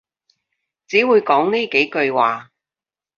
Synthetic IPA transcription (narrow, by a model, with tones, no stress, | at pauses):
t͡siː˨˥wuː˨˧jkɔː˨˥ŋneː˥ke˨˥jkɵ˧ɥwaː˨